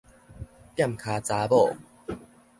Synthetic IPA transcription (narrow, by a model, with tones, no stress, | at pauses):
t̪ja˥˨mkʰaː˨˩t͡saː˨˧˦bɔ˥˨